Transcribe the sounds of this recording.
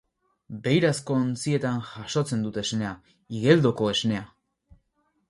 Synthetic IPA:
be̞jɾasko̞nt͡sie̞t̪anʝaʃo̞t͡se̞nd̪ut̪ezne̞a | iɣe̞ld̪o̞ko̞e̞zne̞a

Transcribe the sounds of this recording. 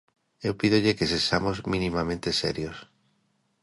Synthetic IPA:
ewpiðoʎekesesamozmĩnĩmamẽnt̪eseɾjos

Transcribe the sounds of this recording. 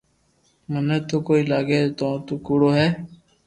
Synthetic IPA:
mənɛ̃ːt̪oːkoːiːlaːɡeːt̪õːt̪uːkuːɽoːɦɛː

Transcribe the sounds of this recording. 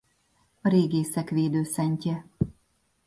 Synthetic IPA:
ɒɾeːɡeːsɛkʋeːd̪øːsɛɲcɛ

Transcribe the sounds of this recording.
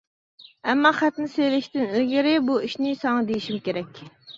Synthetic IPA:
ɛmːɑχæt̪nɪselɪʃt̪ɪnelɡʲɪɾɪbuiʃnɪsɑŋɑd̪ejiʃimkʲeɾɛkʲ

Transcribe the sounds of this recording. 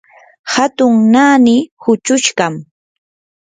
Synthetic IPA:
hat̪ʊŋnaːnɪhʊt͡ʃʊʃɢam

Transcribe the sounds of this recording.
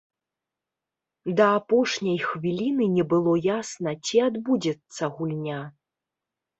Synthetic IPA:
d̪ɐːpɔʂnʲɐjxvʲilʲinɨnʲɛbɨlˠɔjasnɐt͡sʲiad̪bud͡zʲɛt̪sːɐɣulʲnʲa

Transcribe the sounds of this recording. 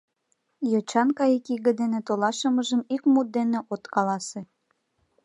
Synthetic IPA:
jot͡ɕɑnkɑjikiɣə̆d̪enet̪olɑʃə̆məʒəmikmut̪̚d̪eneʔot̪kɑlɑse

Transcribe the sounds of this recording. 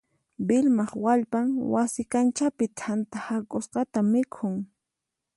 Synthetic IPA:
bɪlmɑχwaʎpaŋwasɪkant͡ʃapɪt̪ʰant̪ahakʼʊsqɑt̪amɪkʰʊŋ

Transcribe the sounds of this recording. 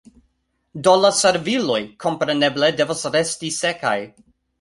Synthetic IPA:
dolaseɾvilo̞jkʰo̞mpɾene̞blede̞vosɾestiseka̰j

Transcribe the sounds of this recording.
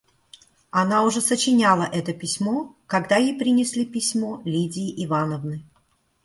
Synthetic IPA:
ɐnaʊʐɛsət͡ɕɪnʲalˠəʔɛt̪əpʲɪsʲmokɐɡd̪ajejpɾʲɪnʲɪsʲlʲipʲɪsʲmolʲidʲɪːʔɪvanəvnɨ

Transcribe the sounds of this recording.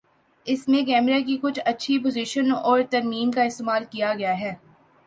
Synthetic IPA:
ɪsmẽkɛːmɾak̬ikʊt͡ʃʰɐtːʃʰip̬ʊziʃənɔːɾt̪ɐɾmiːmkaɪst̪emaːlkijaɡɐjaɦɛː

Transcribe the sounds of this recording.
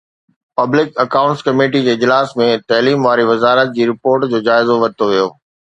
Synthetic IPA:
pɐblɪkɐkaːʊ̃ɳʈskɐmeːʈid͡ʑeːɪd͡ʑlaːsmẽt̪ɐliːmʋaːɾiʋɐzaːɾət̪̚d͡ʑiːɾɪpoːɾʈd͡ʑoːd͡ʑaːɪzoʋɐt̪oʋijoː

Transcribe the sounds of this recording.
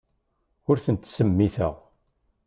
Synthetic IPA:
ʊɾθənt̪səmːiθə̰ʁ

